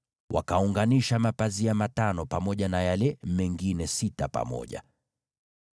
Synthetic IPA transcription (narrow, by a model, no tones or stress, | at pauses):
wa̰kauŋɡaniʃamapaziamatanɔpamɔʄanajalɛmɛŋɡinɛsitapa̰mɔ̰ʄa̰